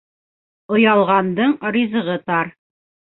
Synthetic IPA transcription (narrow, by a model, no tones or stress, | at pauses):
ŏjɑlˠʁɑnd̪ɤɴɾizɤ̆ʁɤt̪ɑɾ